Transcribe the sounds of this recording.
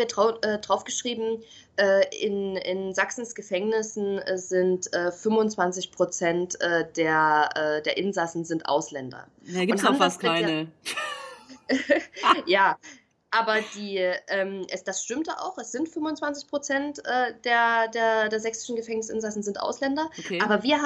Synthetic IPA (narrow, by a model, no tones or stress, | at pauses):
iːɐdʁaʊʔɛːdʁaʊfɡ̥əʃʁ̥iːbm̩ | ʔɛːɪ̰nɪ̰nzaksn̩sɡ̥əfɛŋnɪsn̩zɪntʔɛːfʏmvʊnt͡sv̥ant͡sɪçpʁ̥ot͡sɛntʔɛːd̥eːɐʔɛːdeːɐʔɪnzasn̩zɪntʔa̰ʊslɛndɐ̰ | aɡʊnthamaskɪaɪanə | jaː | ʔaːbɐd̥iːʔɛːmʔɛsd̥asʃtɪmtjaʔa̰ʊxɛsz̥ɪntfʏmʊnt͡sv̥ant͡sɪçpʁ̥ot͡sɛntʔɛːd̥eːɐdeːɐdeːɐzɛksɪ̥ʃn̩ɡəfɛŋnɪsʔɪnzasn̩zɪntʔa̰ʊslɛndɐaːbɐviːɐha